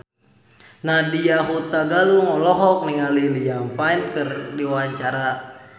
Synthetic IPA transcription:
nadijaɦut̪aɡaluŋɔlɔɦɔk̚niŋalilijampainkɨrdiwaɲt͡ʃaɾa

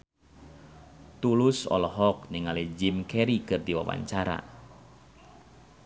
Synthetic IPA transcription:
t̪ulusɔ̰lɔɦɔk̚niŋalid͡ʒimkɛɾikɨrdiwawa̰ɲt͡ʃaɾa̰

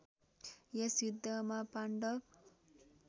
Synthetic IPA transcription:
jesjud̪ʱːʌmapaɳɖʌ

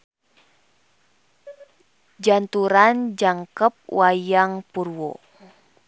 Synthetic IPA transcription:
d͡ʒant̪uɾand͡ʒaŋkəp̚wajaŋpurwo̰

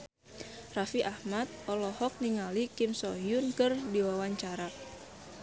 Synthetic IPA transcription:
rafiʔahmat̪̚ɔlɔhɔk̚niŋalikɪmsɔɦjʊnkɨrdiwawaɲt͡ʃaɾa

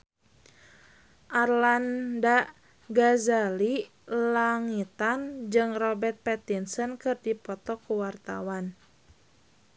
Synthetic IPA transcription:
ʔarlanda | ɡazali | laŋit̪and͡ʒɨŋrɔbɛrt̪̚pɛt̪insənkɨrdipɔt̪ɔkuwart̪a̰wan

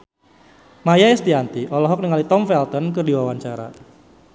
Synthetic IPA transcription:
majaɛst̪iant̪iʔɔlɔɦɔk̚niŋalit̪ɔmfɛlt̪ɔnkɨrdiwawaɲt͡ʃaɾa̰

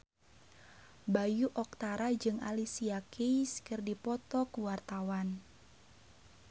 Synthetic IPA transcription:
bajuʔɔk̚t̪aɾad͡ʒɨŋa̰lisiakijskərdipɔt̪ɔkuwart̪awan

